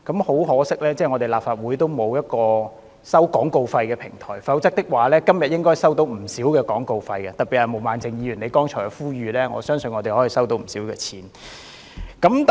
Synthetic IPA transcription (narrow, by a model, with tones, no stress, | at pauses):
kɐ˨˥mho˨˥wɦɔː˨˥sɪ˥k̚lɛː˥t͡sɛː˥˩ŋɔ˨˧t̪e˨jlaː˨p̚faː˧˨t̚wu˨˥jt̪o˥wmo˨˧wjɐ˥t̚kɔː˧ | sɐ˥wkɔː˨˥ŋko˧wfɐ˧jkɛː˧pʰɪ˨˩ŋt̪ʰɔ̰ː˨˩jfɐ˨˥wt͡sɐ˥k̚t̪ɪ˥k̚waː˨˩lɛː˥kɐ˥mjɐ˨t̚jɪ˥ŋkɔː˥jsɐ˥wt̪o˨˥wm̩˨˩siː˨˥wkɛː˧kɔː˨˥ŋko˧wfɐ˧jkɛ˧t̪ɐ˨k̚pi˨˩hɐ˨jmo˨wmaː˨nt͡sɪ˨˧ŋjiː˨˧jy˨˩ne˨˧jkɔː˥ŋt͡ʃʰɔː˨˩jɛ˧fuː˥ɥyː˨˧lɛː˥ŋɔ̰ː˨˧sœː˥ŋsɵ˧nŋɔː˨˧t̪e˨jhɔː˨˥jiː˨˧sɐ˥wt̪o˨˥wm̩˨˩siː˨˥wkɛː˧t͡sʰiː˨˥n | kɐ˨˥mt̪